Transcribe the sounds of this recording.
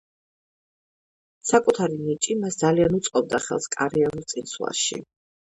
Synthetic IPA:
sakʼut̪ʰaɾinit͡ʃʼimasd̪zalianut̪sʼqʼɔb̚d̪aχɛ̰lˠskʼaɾianulˠt̪sʼinsʰwa̰ʃḭ

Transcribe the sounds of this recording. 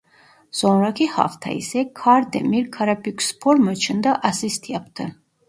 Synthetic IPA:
z̥ɔnɾakʰiha̰ft̪ʰa̰ḭsɛkʰaɾd̪ɛ̰miɾkʰaɾapʰikʰʷspʰɔɾmɔt͡ʃʰənd̪aʔasist̪ʰiap̚ʰt̪ʰə

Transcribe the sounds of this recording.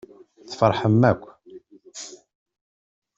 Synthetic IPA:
t͡sːə̥fəɾˤħəmːækʷː

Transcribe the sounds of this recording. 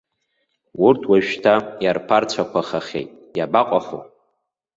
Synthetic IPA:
urtʰwaʒᶣtʰajarpʰart͡sʷʰakʷaχaχʲḛjtʼ | jabaqʷʼaχo̰

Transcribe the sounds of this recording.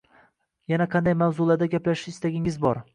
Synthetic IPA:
janaqʰɑnd̪ajmawzʊlaɾd̪aɡʲaplaʃɪɪst̪aɡʲɪŋɪzbɒɾ

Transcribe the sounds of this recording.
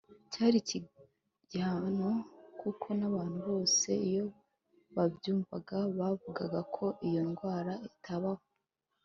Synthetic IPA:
caːɾici | ɟaːnokukʰo̞naβaːn̥huβo̞ːse̞ijo̞ | βabjuːmvaɡaβavuɡaɡakʰo̞ʔijo̞nɡwaːɾaitʰaβaho

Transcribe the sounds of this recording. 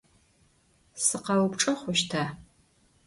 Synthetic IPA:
sɨqɐwʊpʈ͡ʂʼɐχʷʊʃtʰaː

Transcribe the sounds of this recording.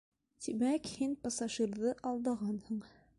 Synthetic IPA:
t̪imækhinpɑsɑʒiɾðɤʔɑlˠd̪ɑʁɑnhŏɴ

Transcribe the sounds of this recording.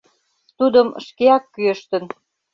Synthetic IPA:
t̪ud̪əmʃkeɑkːyəʃt̪ə̆n

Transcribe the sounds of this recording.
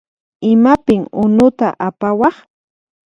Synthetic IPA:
ɪmapɪŋʊnʊt̪aʔapawɑχ

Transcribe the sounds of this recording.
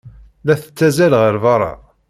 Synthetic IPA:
næθə̥t͡sːæzælʁəɾvɑɾˤɑ̰

